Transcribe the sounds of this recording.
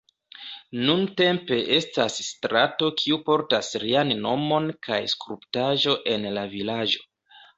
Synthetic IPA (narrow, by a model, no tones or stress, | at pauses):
nunte̞mpe̞ʔe̞stasːtɾato̞kʰiupo̞ɾtasɾianno̞mo̞nkʰajskɾuptaʒo̞ʔe̞nlavilad͡ʒo̞̥